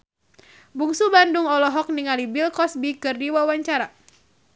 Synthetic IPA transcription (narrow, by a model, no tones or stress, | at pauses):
buŋsubanduŋɔlɔɦɔk̚niŋalibilkɔsbikɨrdiwawaɲt͡ʃaɾa